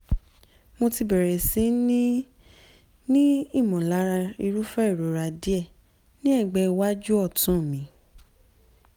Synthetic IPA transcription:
mo˧ti˧bɛ˨ɾɛ˨sĩ˨˦nĩ˦ | nĩ˦i˦˨mɔ̃˨la˨˦ɾa˧i˧ɾu˦fɛ˦i˦˨ɾo˨ɾa˧di˦ɛ˦˨ | nĩ˦ɛ˦˨ɡ͡bɛ˧wa˦d͡ʒu˦ɔ˦˨tũ˦˨mĩ˨˦

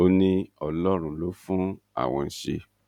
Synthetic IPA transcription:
o˧nĩ˧ɔ˧lɔ˦ɾ̃ũ˧lo˨˦fũ˦ | a̰˦˨w̃ɔ̃˧n̩˧˦ʃe˧

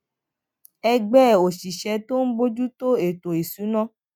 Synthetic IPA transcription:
ɛ˧ɡ͡bɛ˦˨o˨ʃi˨ʃɛ˧˦to˦n̩˦bo˧d͡ʒu˦to˦e˨to˨i˨su˨˦nã˦˨

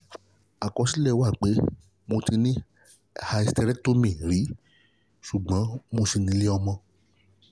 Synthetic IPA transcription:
a˨kɔ˧si˦lɛ˦˨˦wa˦˨k͡pe˨˦ | mo˧ti˧nĩ˦ | ha˧i˧stɛ˧ɾɛ˦to˦mĩ˨ɾi˨˦ | ʃu˨ɡ͡bã˨˦mo˧si˧˨nĩ˨˦le˦ɔ˧mɔ̃˧

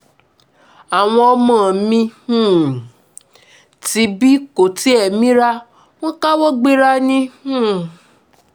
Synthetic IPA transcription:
a˨w̃ɔ̃˧ɔ˧mãː˦˨mĩ˧hũ˦˨ | ti˧˦bi˦ko˨ti˨˦ɛ˦˨mĩ˦ɾa˦ | w̃ɔ̃˦ka˦wɔ˦ɡ͡be˦ɾa˦nĩ˦hũ˦˨

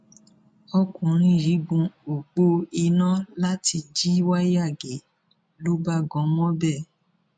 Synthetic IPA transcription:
ɔ˧kũ˨ɾ̃ĩ˧˦˨ɾi˨˦ɡ͡bũ˧o˨k͡po˧i˧nã˦la˦ti˧d͡ʒi˦wa˦ja˦˨ɡe˨ | lo˨˦ba˦ɡɔ̃˨˦mɔ̃˦bɛ˦˨

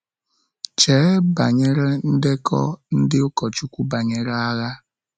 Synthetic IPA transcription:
t͡ʃe˨˦ba˨ɲe˦ɾe˦n̩˦de˦kʰɔ̰˦n̩˦dɪ˦ʊ˦kɔ˨t͡ʃu˦kʷu˦ba˨ɲe˦ɾa˦ɣa˦

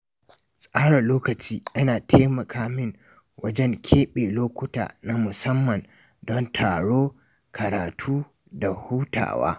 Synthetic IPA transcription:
sʼaː˦ɽɐ˨loː˦kɐ˨t͡ʃiː˦ʔɐ˦naː˨tʰeː˦mɐ˨kʰaː˦mɪ˦ŋ | wʔɐ˦d͡ʒɛ˦ŋkʲʰeː˦ɓeː˨loː˦kʷʊ˦ta̰ː˨na˦mʊ˨sɐ˦mːɐ˨n | dɔ˦ntʰaː˨ɽoː˦ | kʰɐ˨ɾaː˨tʰuː˦ | da˨huː˦tʰa̰ː˨wa̰ː˦

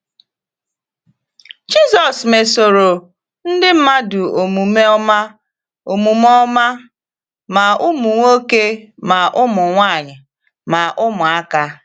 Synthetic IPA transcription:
d͡ʒi˦zɔ˨sme˨so˨ɾo˨ | n̩˦dɪ˦m̩˦ma˦dʊ˨o˨mu˨me˦ɔ˦ma˦ | o˨mu˨mɔ˦ma˦ | ma˨ʊ˦mʊ˨ŋʷo˦ke˦ma˨ʔʊ˦mʊ˨ŋʷa˦˨ɲɪ˨ | ma˨ʔʊ˦mʊ˨a˦ka˦

